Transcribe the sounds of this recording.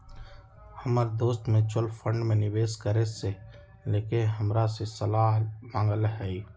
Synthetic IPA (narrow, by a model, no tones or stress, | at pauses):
həmaːɾed̪oːst̪mẽt͡ʃʊlfʰə̃ɳɖmẽnɪʋeːskəɾese | leːkɪnɦəmɾasesəlaːɦmãːŋɡəlɦɛi